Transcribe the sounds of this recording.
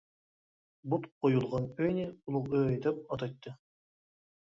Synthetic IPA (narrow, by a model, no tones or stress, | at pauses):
but̪qʰojulˠʁɑnpønʲiulˠuqøɑjd̪ɑp̚ɑt̪ɑjt̪ːɯ